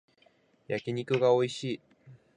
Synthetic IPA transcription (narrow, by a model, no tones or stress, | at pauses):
jakʲiɲ̟ikɯ̟ɡao̞iɕiː